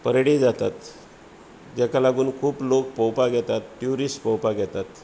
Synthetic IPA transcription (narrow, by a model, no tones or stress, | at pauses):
pəɾɽid͡zat̪at̪ | d͡ʑɛkalaɡuːnkʰuːplok̚pɔwpaɡʱɛt̪at̪ʈjuɾisʈpɔwpaɡʱɛt̪at̪